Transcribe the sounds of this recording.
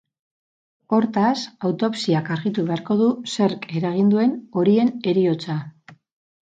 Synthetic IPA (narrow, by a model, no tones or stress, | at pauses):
o̞ɾt̪asawt̪o̞psiakaɾɣit̪uβe̞aɾko̞ð̞use̞ɾke̞ɾaɣ̞ind̪ue̞no̞ɾie̞ne̞ɾio̞t͡sa